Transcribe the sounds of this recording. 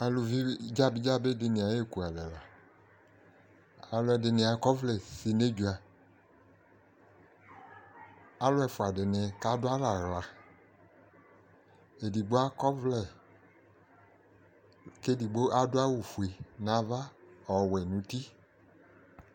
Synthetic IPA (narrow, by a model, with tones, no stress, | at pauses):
a˧lu˧vi˦d͡ʒa˦˨bi˦d͡ʒa˦be˦de˧nĩ˨˧˨a˨je˦˨ku˨a˨lɛ˨la˨ | a˧lu˦ɛ˧de˧nĩ˧a˧kɔ˦vlɛ˨si˧ne˦d͡ʒu˧a˨ | a˦lʊ˦ɛ˧˨fu˨a˨de˨nɛ˨˧ka˦dʊ˦a˦la˨ɣla˨ | e˨di˨ɡ͡bo˦a˦kɔ˦vlɛ˦˨ | ke˦di˨ɡ͡bo˦ʔa˦dʊ˦a˦wu˨fu˨e˨na˨˦va˦ɔ˨wɛ˨nũ˨˦ti˦